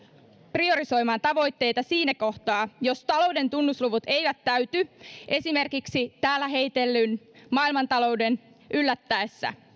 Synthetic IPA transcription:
prio̞ɾiso̞jmɑːnt̪ɑʋo̞jt̪ːe̞jt̪ɑsiːnæko̞ht̪ɑːjo̞st̪ɑlo̞wde̞nt̪unːusluʋut̪e̞jʋæt̪ːæyt̪yʔe̞sime̞rkiksit̪æːlːæɦe̞jt̪e̞lːynmɑːilmɑnt̪ɑlo̞wde̞n | ʔylːæt̪ːæesːæ̰

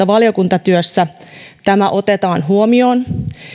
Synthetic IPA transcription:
ɑʋɑlijo̞kunt̪ɑt̪yøsːæt̪æmæʔo̞t̪et̪ɑːnɦuomio̞ːn

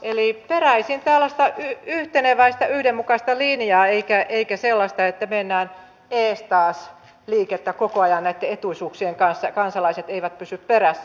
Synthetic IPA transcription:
ʔeliperæisint̪ælːæst̪ɑʔyyht̪eneʋæist̪ɑyhdemmukɑst̪ɑlinjɑːeikæʔeikæselːɑst̪ɑet̪ːæmenːæːn | eːst̪ɑːs | liːket̪ːækokoɑjɑnnæit̪ːeet̪uisuːksieŋkɑnsːɑkɑnsɑlɑiset̪eiʋæt̪̚pysypperæsːæ

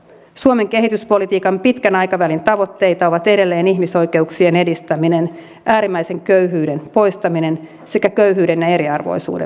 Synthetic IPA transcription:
suome̞ŋke̞ɦit̪yspo̞lit̪iːkɑmpit̪kænɑjkɑʋælint̪ɑʋot̪ːe̞jt̪ɑoʋɑt̪e̞ɾe̞lːe̞ːniɦmiso̞jke̞uksie̞ne̞dist̪æminen | ʔæːɾimːæjse̞ŋkøyɦyːde̞npo̞jst̪ɑmine̞n | se̞kækøyɦyːdenjɑe̞ɾiɑrʋo̞̰jsṵːdḛ

